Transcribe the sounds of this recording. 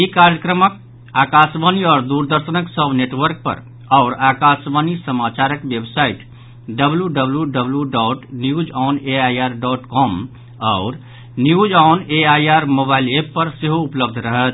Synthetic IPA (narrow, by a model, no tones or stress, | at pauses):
ikaɾjəkɾəmək̚ | aːkasʋaniɔːɾd̪uɾd̪əɾʃənəksəbneʈʋəɾk̚pə̰ɾ | ɔʊɾaːkaːsʋanisəmat͡ʃaɾəkʋebsaɪʈ | ɖəbljuɖəbljuɖəbljuɖɔːʈnjud͡ʒɔːneajaːɾɖɔːʈkɔːm | ɔːɾ | njuːd͡ʒɔːneajaːɾmobaɪlepːəɾseɦoʊpləb̚d̪ʱɾəɦət̪̚